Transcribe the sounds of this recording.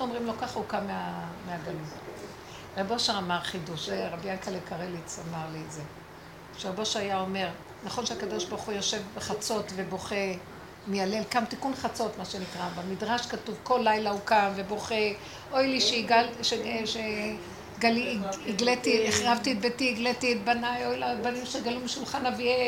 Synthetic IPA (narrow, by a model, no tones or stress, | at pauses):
omʁimlo̞kaχaukameameaɡalut | ʁeboʃaamaʁχiduʃeʁabijankalekaʁelit͡samaʁlietze | ʃeʁeboʃajao̞me̞ʁ | naχo̞nʃeakad̪o̞ʃbaʁχujo̞ʃe̞vbeχat͡so̞tve̞bo̞χe | mejale̞lkamt̪ikunχat͡so̞t̪maʃe̞nitʁabamidʁaʃkatuvko̞lːajlaukamve̞bo̞χe | o̞jliʃeiɡalʃeneʃe | ɡaliːɡlet̪ieχʁavt̪it̪̚betiːɡletiɛt̪̚banajojlabanimʃeɡalumiʃulχanavie